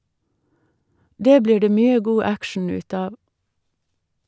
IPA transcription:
ˈdeː ˈbliː ˈɖeː ˈmyːə ˈɡuː ˈækʃɳ̩ ˈʉːt ˈɑːʋ

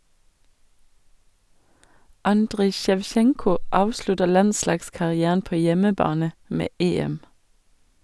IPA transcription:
ˈɑndʁɪ ʃɛʋˈʃɛŋkʊ ˈɑːʋʃlʉtə ˈlɑnˌslɑːɡskɑʁɪˌæːn ˈpoː ˈjɛməˌbɑːnə ˈmeː ˈeːɛm

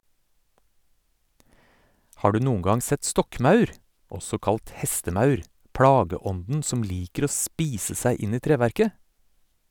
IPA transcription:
ˈhɑː ˈɖʉː ˈnuːŋ̍ ˈɡɑŋ ˈsɛt ˈstɔkˌmɑʉɾ ˈɔsɔ ˈkɑlt ˈhɛstəˌmɑʉɾ ˈpɽɑːɡəˌɔndn̩ ˈsɔm ˈliːkəɾ ˈoː ˈspiːsə ˈsæɪ ˈɪn ˈiː ˈtɾeːʋæɾkə

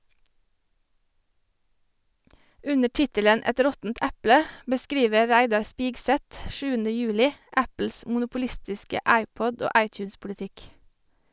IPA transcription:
ˈʉnə ˈʈɪtələn ˈɛt ˈɾɔtn̩t ˈɛplə bəˈskɾiːʋə ˈɹæɪdɑɾ ˈspɪɡsɛt ˈʃʉːənə ˈjʉːlɪ ˈæpl̩s mʊnʊpʊˈlɪstɪskə ˈæɪˌpɔd ˈoː ˈɑɪˌtjʉːnspʊlɪˌtɪk

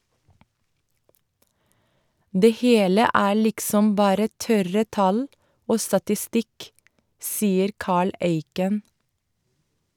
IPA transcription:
ˈdeː ˈheːlə ˈæː ˈlɪksɔm ˈbɑːɾə ˈtœɾə ˈtɑl ˈoː stɑtɪˈstɪk ˈsiːəɾ ˈkɑːɭ ˈeɪkən

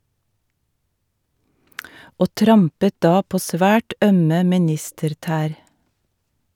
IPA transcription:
ˈoː ˈtɾɑmpə ˈdɑː ˈpoː ˈsʋæːʈ ˈœmə mɪˈnɪstəɾˌtæːɾ

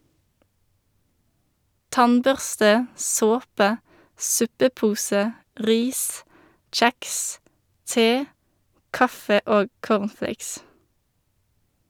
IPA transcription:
ˈtɑnˌbœʁstə ˈsoːpə ˈsʉpəˌpuːsə ˈʔʁiːs ˈc͡çæks ˈteː ˈkɑfə ˈoːɡ ˈkoːʁnˌfleɪks

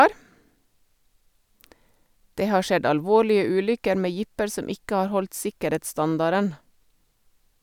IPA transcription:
ˈdeː ˈhɑː ˈʃɛd ɑlˈʋoːɭɪə ˈʉːlʏkəɾ ˈmeː ˈjɪpəɾ ˈsɔm ˈɪkə ˈɑɾ ˈhɔlt ˈsɪkəˌɾeːtsˌstɑndɑɾən

